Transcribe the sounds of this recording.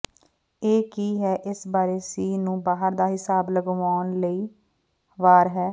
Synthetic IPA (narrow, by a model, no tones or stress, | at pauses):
eːkiːɦɛːʔɪsbaːɾeːsiːnũːbaːɦəɾd̪aːɦɪsaːbləɡʋaːnləiː | ʋaːɾɦɛː